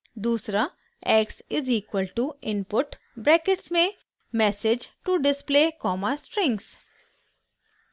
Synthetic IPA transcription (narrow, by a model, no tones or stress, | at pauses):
d̪uːsɾa | ɛːksɪziːkwəlʈuɪ̃npʊʈ | bɾɛːkɪʈsmẽ | mɛːsɪd͡ʒʈuɖɪspleːkɔːmasʈɾɪ̃ŋɡs